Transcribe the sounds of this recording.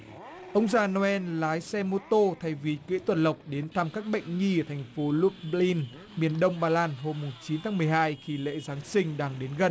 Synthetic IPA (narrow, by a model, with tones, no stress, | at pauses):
ʔə˧wŋ͡mzaː˧˩no˧ɛ˧nlaː˨˦jsɛ˧mo˧t̪o˧t̪ʰa˨˧˩jvi˨˩kḭ˧˥t̪wə˨˩nlə˨˩wk͡p̚ɗe˨˦nt̪ʰa˧mkaː˦˥k̚ɓə̰˧˨jŋ̟ŋi˧˩˨t̪ʰa˨˩jŋ̟fo˨˦lu˦˥t̚li˧n | mi˨˩ənɗə˧wŋ͡mɓaː˧laː˧nɦo˧mːʊ˨˩ŋ͡mt͡ɕi˨˦nt̪ʰaː˨˦ŋmɨ˨˩əjhaː˧jxi˧˩lḛ˧˥zaː˨˦ŋsï˧ŋ̟ɗaː˧ŋɗe˨˦nɣə˨˩n